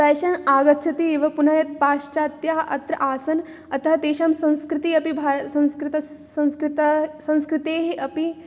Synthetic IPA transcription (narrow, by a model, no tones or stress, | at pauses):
p̪ɐːjʃɐnaːɡɐt̪ːt͡ʃʰɐt̪ieːʋɐpunɐjɐt̪̚paːʃt͡ʃaːt̪jaːɦʔɐ̰t̪ɾɐ̰ʔaːsɐn | ɐt̪ɐɦɐt̪eːʃɐmsɐ̃w̃skɾɪt̪iɐpibʱaːsɐ̃w̃skɾɪt̪ɐsɐ̃w̃skɾɪt̪ɐsɐ̃w̃skɾɪt̪eːɦeʔɐpi